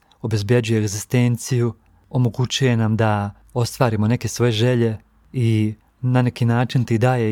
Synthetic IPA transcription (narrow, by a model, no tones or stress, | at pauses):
o̞be̞zbje̞d͡ʑuje̞ːɡzist̪e̞ːnt̪siju | o̞mo̞ɡut͡ɕuje̞namd̪a | o̞st̪ʋaːɾimo̞ne̞ke̞sʋo̞jeʒe̞ʎe̞ | i | nane̞kinaːt͡ʃint̪id̪aːje